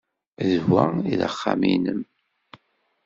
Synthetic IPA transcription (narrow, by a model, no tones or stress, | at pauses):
ðvæiðə̰χːaminəm